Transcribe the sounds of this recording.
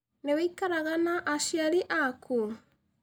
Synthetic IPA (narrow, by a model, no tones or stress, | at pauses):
newaikaɾaɣanaʔaʃjaɾiʔakʰu